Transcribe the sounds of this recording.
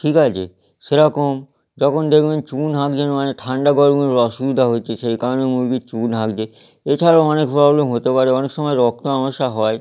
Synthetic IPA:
ʈʰikat͡ɕʰḛ | ʃeɾɔkom | d͡ʑɔkʰond̪ekʰbent͡ɕunɦãkd͡ʑenaneʈʰaɳɖaɡɔɾuneɾɔʃubid̪ʱaɦoet͡ɕʰeʃejkaɾonemuɾɡit͡ɕunɦãɡd͡ʑe | et͡ɕʰaɾaoɔnekpɾɔblemɦot̪epaɾeɔnekʃɔmɔeɾɔk̚t̪oamoʃaɦɔe

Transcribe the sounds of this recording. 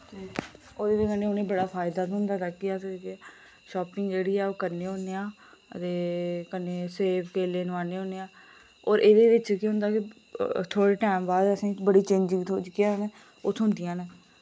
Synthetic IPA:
oːd̪eːʋekəneːʊnẽːbəɽaːpʰaːɪd̪aːt̪ːʊ̃nd̪aːt̪aːkɪask | ʃɔːpɪŋɡd͡ʒeːɽiːɛːoːkəɾneːɦõːneːãː | ə̰t̪eːkəneːseːpkeːleːnʋãːneːɦoːneːãː | ɔːɾʔeːd̪eːʋɪt͡ʃkiɦʊ̃nd̪aːkɪ | t̪ʰoːɽeːʈɛːmbaːd̪əsĩːbəɽiːt͡ʃẽːd͡ʒɪ̃ŋɡt̪ʰoːd͡ʒkːaːne | ʊt̪ʰɦʊnd̪ɪjãːne

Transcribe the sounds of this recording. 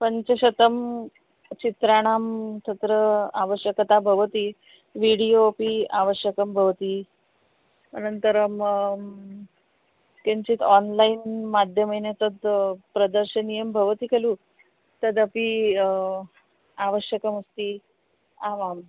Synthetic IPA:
pəɲt͡ɕeɕət̪əm | t͡ɕit̪ɾaɽ̃amt̪ʰət̪ɾəaʋəɕjəkət̪abʱəʋət̪iː | ʋiɽijopia̰ʋəɕjəkəmbʱəʋt̪iː | ənənt̪əɾəm | keɲt͡ɕiːt̪ʰɔnlainmad̪ʱjəməjnet̪əd̪pɾəd̪əɾɕənijəmbʱəʋt̪iːkʰeluː | t̪əd̪əpi | aʋəɕjəkəməst̪iː | aʋam

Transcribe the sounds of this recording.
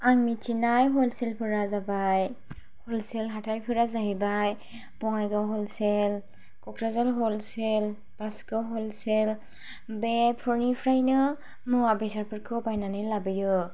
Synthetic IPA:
aŋmit͡ʃinajɦɔlselpʰɯɾazabaj | hɔlselɦatʰajpʰɯɾazaɦibaj | b̥ɔŋajɡawɦɔlsel | kɔkʰɾazalɦɔlsel | b̥askawɦɔlsel | bepʰɔɾnipʰɾajnɯ | mɯabesaɾpʰɯɾkʰɯpajnanɯlabɯjɯ

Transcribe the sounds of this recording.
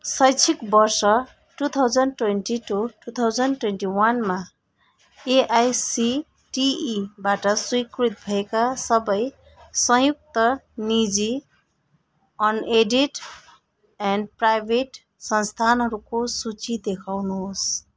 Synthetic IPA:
sʌjt͡sʰikbʌrsʌ | ʈut̪ʰawd͡zʌnʈwenʈiʈuʈut̪ʰawd͡zʌnʈwenʈiwanma | eʔajsi | ʈibaʈʌswikrit̪̚bʱʌekasʌbʌj | sʌjuk̚t̪ʌnid͡zi | ʌneɖiʈ | anprajbʱeʈ | sʌnst̪ʰanɦʌɾukosut͡sid̪ekʰawnuɦos

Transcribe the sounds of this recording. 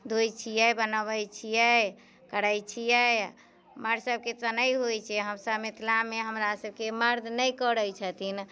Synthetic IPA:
d̪ojt͡ʃʰijɛbənəβəjt͡ʃʰijɛ | kəɾəjt͡ʃʰijɛ | məɾsəb̚ket̪ənəjɦojt͡ʃʰɛɦəmsəbmit̪ʰlameɦəmɾasəb̚keməɾd̪ʱnəjkəɾəjt͡ʃʰət̪in

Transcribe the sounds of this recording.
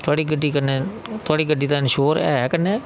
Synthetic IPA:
t̪ʰʊaːɽiːɡəɖːiːkəneːt̪ʊaːɽiːɡəɖːiːt̪ãnʃoːɾɛ̰ːkənːeː

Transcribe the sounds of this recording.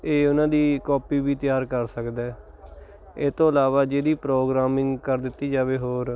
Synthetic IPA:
eːʊnãːd̪iːkɔːpiːbiːt̪ɪjaːɾkəɾsəkd̪ɛː | eːt̪õːəlaːʋaːd͡ʒeːd̪iːpɾoːɡɾaːmɪ̃ŋɡkəɾd̪ɪt̪ːiːd͡ʒaːʋeːɦoːɾ

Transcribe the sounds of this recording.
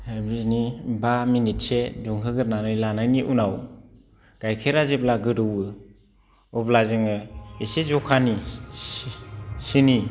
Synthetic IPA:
hebiznibaminit̚seduŋɦɯɡɯɾnanɯjlanajniʔunaw | ɡ̥ajkʰeɾazeplaɡɯɾɯwɯ | ɔblazɯŋɯesezɔkʰani | sini

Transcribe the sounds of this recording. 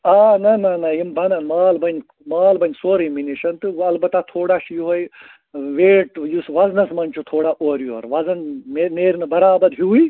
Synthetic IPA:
aːnɐnɐnɐjimbɐnɐnmaːlbɐnʲ | maːlbɐnʲsoːɾiminiʃɐnt̪ɨɐlbɐt̪at̪ʰoːɽaːʃijɦoj | ʋeːʈjusʋɐznɐsmɐnt͡ʃʰut̪ʰoːɽaʔoːɾjuoɾʋɐzɐnmemeːɾnɨbɐɾaːbɐɾɦui

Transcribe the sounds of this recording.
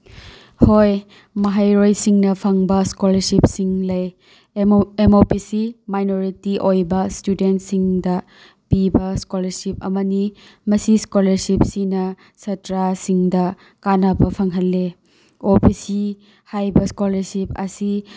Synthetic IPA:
hoj | mɐɦajɾojsiŋnɐpʰɐŋbɐskolɐɾsip̚siŋlɐj | emopisimajnoɾitiʔojbɐstudentsiŋdɐ | pibɐskolɐɾsip̚ɐ̰mɐnimɐsiskolɐɾsip̚sinɐ | sɐtɾasiŋdɐ | kanabɐpʰɐŋɦɐlːe | opʰisi | hajbɐskolɐɾsipɐ̰si

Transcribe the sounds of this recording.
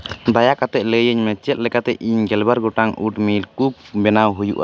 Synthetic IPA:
d̪ajakat̪ɛʔ̪̚ləjəɲmɛt͡ʃɛt̪̚lɛkat̪ɛʔiɲɡɛlbaɾɡɔʈaŋṵʈmilkuk̚bɛnawɦujṵʔa̰

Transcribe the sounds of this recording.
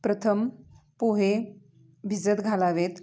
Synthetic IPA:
pɾət̪ʰəm | poɦe | bʱid͡zət̪ɡʱalaʋet̪

